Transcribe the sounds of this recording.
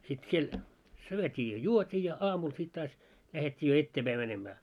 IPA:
sit siel syøtʲiː jɑ juotʲiː jɑ ɑːmul sit tɑːs læhetʲːiː jo etːeːpæi mænemæː

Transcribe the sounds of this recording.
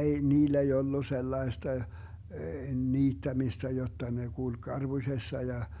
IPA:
ei niːlː ei olːu selːɑestɑ niːtːæmistæ jotːɑ ne kulk kɑrb̥usʲesːɑ jɑ

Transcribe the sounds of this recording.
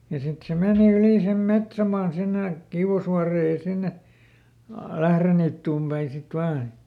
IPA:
jɑ sit se meːni yli sem metsæmɑːn sinːe kiuw̆ɑsʋuɑreː jɑ sinːe ɑ læhreniːtːuːm pæin̞ sit ʋɑːn

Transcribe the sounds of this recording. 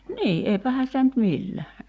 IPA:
niː eipæhæn̞ sitæ nyt milːæ

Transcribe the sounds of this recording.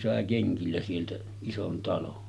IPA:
sɑˑe keŋkilːæ sieltæ ison tɑlon

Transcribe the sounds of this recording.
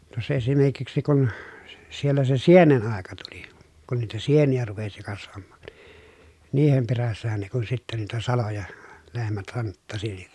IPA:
tuosˑɑ esimerkiksi kun si sielːæ se sienen ɑˑekɑ tuli kun niːtæ sienijæ rupesi kɑsʋɑmːɑ̥ːn̥ niːhem peræsːæhæn ne kun sitːæ niːtæ sɑlojɑ lehmæt hɑntːɑsi nin

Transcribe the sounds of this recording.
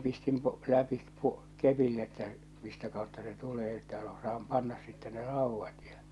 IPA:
pistim po læpi po kepin etːæ mistæ kɑˑotːɑ se tuleː etːæ osɑːm pɑnːɑs sitːɛ ne rɑˑuʋːɑt jɑ

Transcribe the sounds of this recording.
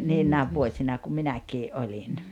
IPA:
niːnːæːʋ ʋuosʲinɑ kum minækiːʔ ʔolʲin

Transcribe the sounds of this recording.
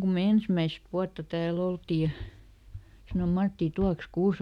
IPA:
ku me ensmæist ʋuɑtːɑ tæːl oltiː jɑ sɑnom mɑtːiˑ tuɑks kuːse

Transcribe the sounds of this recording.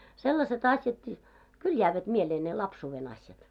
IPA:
selːɑset ɑsjɑtkiː kyl jæːʋæt mieleː ne lɑpsuːʋen ɑsjɑt

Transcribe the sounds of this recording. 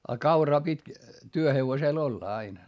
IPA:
ɑ kɑurɑː pitʲ tyøheʋoseˑl olːɑ ɑin

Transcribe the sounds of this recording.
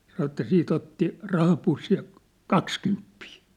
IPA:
sɑnŏ ĕtːæ siːt otːi rɑhɑpusːij jɑ kɑkskympːiː

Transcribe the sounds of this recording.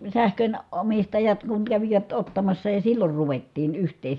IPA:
sæhkøn omistɑjɑt kuŋ kæʋiʋæt otːɑmɑsːɑ jɑ silːor ruʋetːiːn yhtˑeː

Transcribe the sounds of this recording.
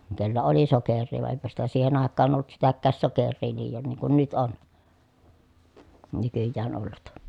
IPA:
kelːæ oli sokerˑiː ʋɑˑe ʔeˑi̯pæ sitæ siːhen ɑˑekːɑːn olːut sitækːæːs sokerˑiː liːjon niːŋ kun nyt on nykyjːæːn olːut

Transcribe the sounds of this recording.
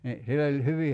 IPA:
ni silː olʲ hyʋi

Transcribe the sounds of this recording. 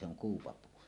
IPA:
se oŋ kuːpɑpuː

